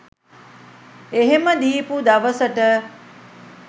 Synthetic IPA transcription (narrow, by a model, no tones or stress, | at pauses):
eɦeməd̪iːpud̪ɐʋəsəʈə